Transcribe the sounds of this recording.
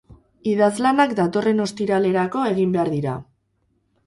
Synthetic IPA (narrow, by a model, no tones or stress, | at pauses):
iðazlanakd̪at̪o̞re̞no̞st̪iɾale̞ɾako̞e̞ɣimbe̞aɾðiɾa̰